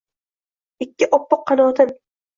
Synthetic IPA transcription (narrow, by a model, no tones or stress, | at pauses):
ɪkʲːɪʔɒpːʊqʰːɑnɒːt̪ʰɪm